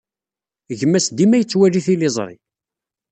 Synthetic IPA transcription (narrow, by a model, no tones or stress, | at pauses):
ʝəmːæsd̪imæjət͡sːwæɾiθilɪzˤɾˤḭ